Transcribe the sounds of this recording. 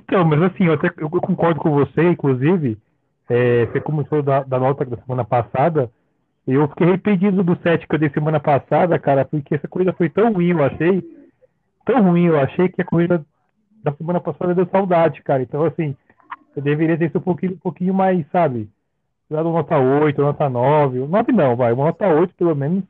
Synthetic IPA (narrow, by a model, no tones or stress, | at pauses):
ĩt̪ɐ̃w̃mɐzasĩewat̪ɛewewkõkɔɾd̪ʊkõvoseĩkluzivɪ | ɛfekõmũt̪od̪ʊd̪ɐd̪ɐnɔt̪ɐd̪ɐsemɐ̃nɐpasad̪ɐ | ewfi̥kejhepẽd͡ʒĩd̪ʊʊd̪ʊsɛt͡ʃɪ̥kɪewd̪ejsemɐ̃nɐpasad̪ɐkaɾɐpʊɾkeɛsɐkohid̪ɐfojt̪ɐ̃w̃huĩewaʃej | t̪ɐ̃w̃huĩewaʃejkɪɐkohid̪ɐ | d̪ɐsemɐ̃nɐpasad̪ɐɛd̪ewsawd̪ad͡ʒɪkaɾɐẽt̪ɐ̃w̃asĩ | ewd̪eveɾiɐt̪eɾisʊũpokĩɲʊ̃ũpokĩɲʊmajsabɪ | ed̪ad̪ũɐnɔt̪ɐojt̪ʊnɔt̪ɐnɔvɪnɔvɪnɐ̃w̃vajũmɐnɔt̪ɐojt̪ʊ̥pelomẽnʊs